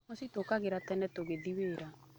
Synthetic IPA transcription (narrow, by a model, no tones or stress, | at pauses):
ɔsitokaɣeɾatɛnɛtoɣeðiweːɾa